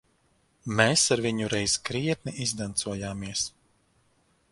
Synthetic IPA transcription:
meːsaɾviɲuɾɛjz̥kɾiɛt̪̚nʲiʔizd̪ant̪suɔjaːmiɛs

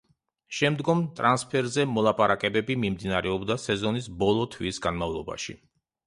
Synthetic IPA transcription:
ʃɛmd̪ɡɔmt̪ʼɾanspʰɛɾzɛmɔlˠapʼaɾakʼɛbɛbimimd̪inaɾɛɔbd̪asɛzɔnisbɔlˠɔt̪ʰwisɡanmavlˠɔba̰ʃḭ

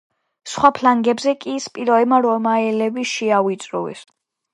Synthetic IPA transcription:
sχwapʰlaŋɡɛbzɛkʼispʼiɾɔɛmaɾɔmaɛlɛbiʃiavwit̪sʼɾṵɛ̰s

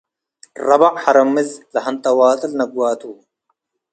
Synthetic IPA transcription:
rɐbɐʔħɐɾɐmːizlɐɦɐnt̪ɐwaːt̪ɐlnɐɡwaːt̪uː

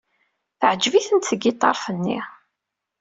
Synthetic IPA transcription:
θəʕd͡ʒviθənt̪səɡit̪ˤːɑɾˤfənːḭ

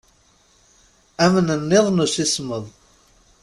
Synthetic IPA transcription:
æmənənːɪðˤnusisməðˤ

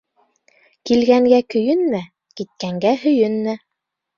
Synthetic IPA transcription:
kilɡæŋɡækɵ̆jɵnmæ | kit̪̚kæŋɡæɦɵ̆jɵnmæ

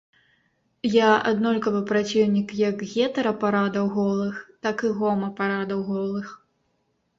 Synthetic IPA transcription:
jaa̰d̪nɔlʲkɐvɨpɾat͡sʲiwnʲikjɐkɣʲɛt̪ɐɾɐpaɾad̪ɐwɣɔlˠɨxt̪akɨɣɔmɐpaɾad̪ɐwɣɔlˠɨx

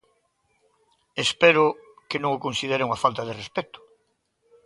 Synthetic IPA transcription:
espeɾʊ | kenõŋokonsiðeɾeŋafalt̪aðerespɛt̪ʊ̥

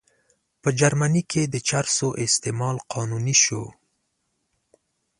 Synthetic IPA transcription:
pəd͡ʒaɾmanikʰed̪ət͡ʃaɾsoʔɪst̪emɑlqɑnuniʃo̰

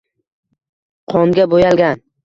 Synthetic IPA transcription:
qʰɒŋɡʲabojalɡʲan

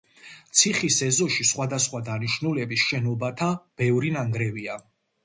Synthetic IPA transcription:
t̪sʰiχisɛzɔʃisχwad̪asχwad̪aniʃnulɛbisʃɛnɔbat̪ʰab̥ɛvɾinaŋɡɾɛvia

